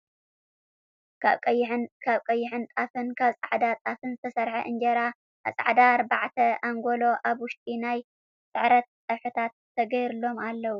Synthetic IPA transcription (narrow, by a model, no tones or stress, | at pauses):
kʰaβkʼɐjːkʰaβkʼɐjːɪħɨnt̪ʼafɨnkʰaβsʼaʕd̪at̪ʼafɨnzɨt̪ʰɐsɐɾħɐʔɨnd͡ʒɐɾa | ʔa̰sʼa̰ʕd̪aɾbaʕt̪ʰɐaŋɡolo̞ʔaβwʊʃt̪ʼinaj | sʼɨʕɾɐt̪̚ːʼɐβħɨt̪ʰat̪ʰːɐɡɐjɾɨlo̞malːɐwu